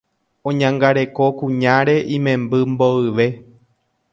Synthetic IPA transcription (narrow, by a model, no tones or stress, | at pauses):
õɲãŋɡaɾe̞ko̞kũɲãɾe̞ʔĩmẽ̞mbɨmboɨʋe̞